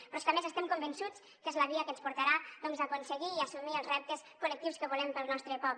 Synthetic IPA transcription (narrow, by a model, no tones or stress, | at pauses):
pɾɔskəmezəst̪ɛmkumbənsut͡s | kezləβiəkənspuɾt̪aɾad̪ɔŋzakunsəɣiːəsumiəlˠzrɛp̚t̪əskulək̚t̪iwskəβulɛmpəlˠnɔst̪ɾəpɔβ